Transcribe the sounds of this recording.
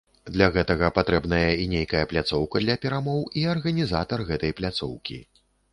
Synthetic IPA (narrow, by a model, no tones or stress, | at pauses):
d̪lʲaɣɛt̪ɐɣɐpat̪ɾɛbnɐjɐinʲejkɐjɐplʲat̪sɔwkɐd̪lʲɐpʲɛɾamɔwiɐrɣɐnʲizat̪ɐrɣɛt̪ɐjplʲat̪sɔ̰wkʲḭ